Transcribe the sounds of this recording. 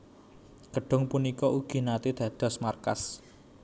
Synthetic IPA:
ɡ̥əɖ̥ʊ̤ŋpunikɔuɡ̥i̤nat̪id̪̥ä̤d̪̥ɔ̤smarka̰s

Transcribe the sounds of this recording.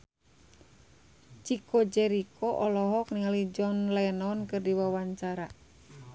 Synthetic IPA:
t͡ʃikod͡ʒɛɾikʰɔʔɔlɔɦɔkniŋalid͡ʒɔnlɛnɔnkɨrdiwawaɲt͡ʃaɾa

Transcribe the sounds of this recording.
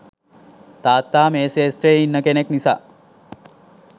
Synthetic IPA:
t̪aːt̪ːaːmeːsesʈɾeːinːəkeneknisa̰ː

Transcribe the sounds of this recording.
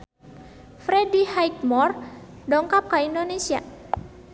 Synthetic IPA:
fɾɛdihajt̚mɔrdɔŋkap̚kaindonesia̰

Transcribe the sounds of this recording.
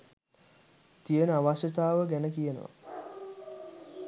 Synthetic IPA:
t̪ijənəaʋaʃjət̪aːʋəɡænəkijənə̰ʋa̰

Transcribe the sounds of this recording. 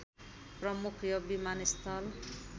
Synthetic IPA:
prʌmukʰjʌbimanist̪ʰʌl

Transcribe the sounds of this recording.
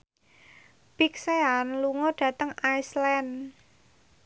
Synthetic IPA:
b̥ikseanluŋɔɖ̥ä̤t̪əŋajslɛn

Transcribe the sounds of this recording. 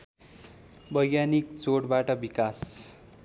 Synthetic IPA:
bʌjːanikt͡soɽbaʈʌbikas

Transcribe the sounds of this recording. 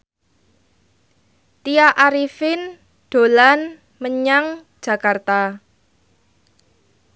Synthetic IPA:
t̪iaʔaɾifɪn | ɖ̥o̤lan | məɲaŋ̥ | d͡ʒ̥ä̤kart̪a

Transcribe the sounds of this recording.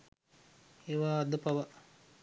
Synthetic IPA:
eːʋaːd̪əpaʋa

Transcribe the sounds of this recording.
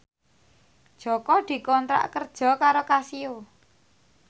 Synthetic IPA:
d̥ʒ̥ɔ̤kɔd̪̥i̤kɔnt̪ɾa̰ʔkərd̥ʒ̥ɔ̤kaɾokasio

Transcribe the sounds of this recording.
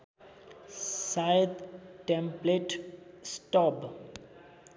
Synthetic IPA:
saɪd̪ʈɛ̃mpleʈsʈɔb

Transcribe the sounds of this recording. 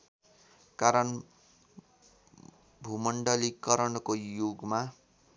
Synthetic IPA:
kaɾʌn | bʱumʌɳɖʌlikʌɾʌnkojoɡma

